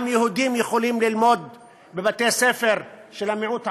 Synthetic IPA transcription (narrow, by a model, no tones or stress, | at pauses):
mjehud̪imjexolimlilmod̪̚ | bebat̪ejsefeɾʃelamiʕut̪ʕ